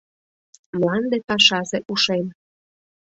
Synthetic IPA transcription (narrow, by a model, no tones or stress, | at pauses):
mlɑnd̪epɑʃɑʒeʔuʃem